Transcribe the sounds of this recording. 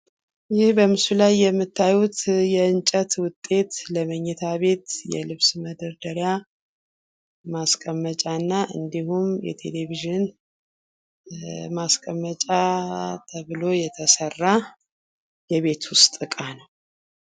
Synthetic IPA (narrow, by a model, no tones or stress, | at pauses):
jɪhbəmɨsulajːɛmːɨt̪ʰːajut̪jɛɨnt͡ʃʼət̪wʊt̪ʼːe̞t̪ləməɲːɛt̪ʰaβe̞t̪jɛ̰lɨβsməd̪ɨɾd̪əɾja | maskʼəmːət͡ʃʼanːaʔɨ̰nd̪ihumjɛ̰t̪ʰe̞̰le̞viʒɪn | maskʼəmːət͡ʃʼat̪ʰəβɨlo̞jɛt̪ʰəsərːa | jɛβe̞t̪ʰwʊst̪ʼɨkʼanəw